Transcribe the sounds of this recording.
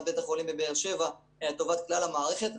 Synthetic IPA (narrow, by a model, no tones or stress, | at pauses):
be̞t̪aχolimbebeːʁʃe̞va | eat̪o̞vat̪klalamaːʁe̞χet̪